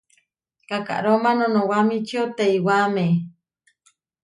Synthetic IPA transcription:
kaka̰ʔɾomanõnowamit͡ʃiot̪eiwame

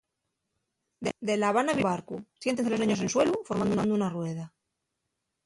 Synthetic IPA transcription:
d̪d̪e̞laβanaβiβaɾkusje̞nt̪enselonẽɲo̞senswe̞lufo̞ɾmand̪ounãnd̪ounarwe̞ð̞a

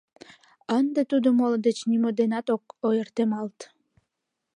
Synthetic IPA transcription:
ənd̪et̪ud̪omold̪et͡ɕnimod̪enɑt̪okojərt̪emɑlt̪

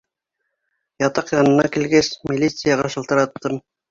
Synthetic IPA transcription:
jɑt̪ɑqjɑnɤ̆nɑkilɡesmʲilʲːit̪sɨjɑʁɑʃɤ̆lˠt̪ɤ̆ɾɑt̪ːɤm

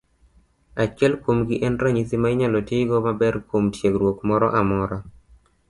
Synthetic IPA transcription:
at͡ʃɛlkwomɡɪʔɛnɾaɲisɪmaɪɲalɔtɪɡɔmabɛrkwomtjeɡɾwokmɔɾɔʔamɔɾɔ

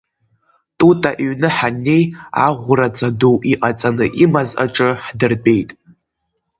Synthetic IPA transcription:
tʼutʼaʔɥnɨħanːe̞ja̰ʁʷʊrat͡sʰʼadowʔiqʼat͡sʼanɨʔimazʔa̰ʈ͡ʂʼɨħdɨrpʼe̞jtʼ

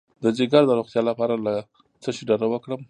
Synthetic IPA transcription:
d̪əd͡ʒɪɡaɾd̪əɾoxt̪jɑlapɑɾala | t͡səʃiɖaɾawəkɽəm

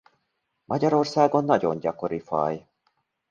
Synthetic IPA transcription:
mʔɒɟɒɾo̞rsaːɡo̞nːɒɟo̞ɲɟɒko̞ɾifɒ̰j

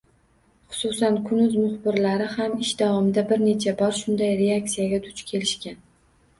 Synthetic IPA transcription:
χʊ̥sʊsankʰʊnʊzmʊχbɪɾlaɾɪhamɪʃd̪avɒmɪd̪abɪɾne̞t͡ʃʰabɒɾʃʊnd̪ajɾe̞ak̚t̪sijaɡʲat̪ʰʊ̥t͡ʃkʲʰe̞lɪʃkʲan

